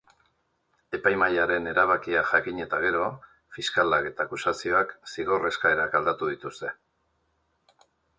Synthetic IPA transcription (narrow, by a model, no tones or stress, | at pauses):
e̞pajmajaɾe̞ne̞ɾaβ̞akiaʝakiɲe̞t̪aɣ̞e̞ɾo̞ | fiskalake̞t̪aːkusasio̞aksiɣ̞o̞re̞skae̞ɾakald̪at̪uðit̪ust̪e̞